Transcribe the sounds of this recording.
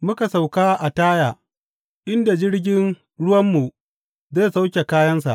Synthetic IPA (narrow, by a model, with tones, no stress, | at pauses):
mʊ˦ka˨sa˨wkaː˦ʔa˨taː˦jaː˨ | ʔɪ˦nda˨d͡ʒɪ˦ɽɡʲɪ˦n | ɽʊ˦wɐ˦mːu˨ | zaː˦˨sa˦wkʲe˨kaː˦jɐ˦ns̬a̰˨ʔ